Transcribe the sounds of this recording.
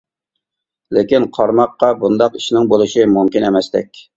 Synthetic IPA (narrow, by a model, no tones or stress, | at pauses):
lekʲinqʰɑɾmɑqːɑbund̪ɑqiʃnɪŋbolˠɨʃimumkʲinemɛst̪ɛkʲ